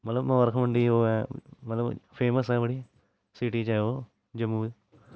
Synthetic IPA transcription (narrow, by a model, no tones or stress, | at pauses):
mɐt̪ləbmɛ̃ʋəɾkʰməɳɖiːoːɛmɐt̪ləbpʰeːməsɛbəɽiː | siʈiːt͡ʃaoː | d͡ʒəmːuːl